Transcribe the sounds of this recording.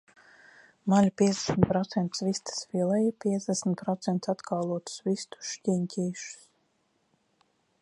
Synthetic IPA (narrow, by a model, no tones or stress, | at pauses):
malʲupʲiɛzd̪ʲɛ̥smʲt̪̚pɾɔt̪sɛnt̪svist̪ḁsvilˠɛjipʲiɛzd̪ʲɛsmʲt̪̚pɾɔt̪sɛnt̪sat̪kaːlˠuɔt̪u̥svist̪u̥ʃcʲiɲcʲiːʃu̥s